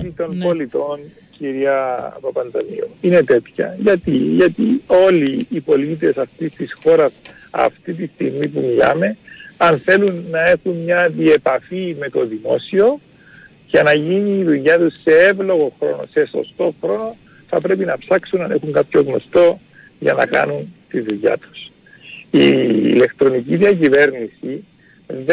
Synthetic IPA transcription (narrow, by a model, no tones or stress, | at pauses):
it̪o̞npo̞lit̪o̞n | ciɾiɐpɐpɐnd̪ɐnḭoine̞t̪e̞t̪çɐ̰ʝɐt̪iʝɐt̪io̞liːpo̞lit̪̬e̞sɐft̪ist̪isxo̞ɾɐs | ɐ̰ft̪it̪ist̪iɣmipumilɐ̰me̞ɐnθe̞lunːɐe̞xunɲɐðie̞pɐfime̞t̪o̞ðimo̞̰sio̞ | cɐnɐʝiniːðuʝɐt̪usːe̞evlo̞ɣo̞xɾo̞̰no̞̰se̞so̞̰st̪o̞xɾo̞no̞ | θɐpɾe̞pinɐpsɐksunɐne̞̰xuŋkapço̞ɣno̞st̪o̞ | ʝɐ̰nɐ̰kɐ̰nunt̪iðuʝa̰t̪u̥s | iːle̞kt̪ɾo̞niciðiɐcive̞ɾnisi | ð